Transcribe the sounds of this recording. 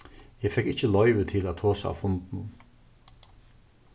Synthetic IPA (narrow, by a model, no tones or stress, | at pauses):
ɛːfɛkɪt͡ɕːəlɔʏʋət̪ʰɪlæt̪̚ʰoːsaa̰ːfʊnt̪nʊn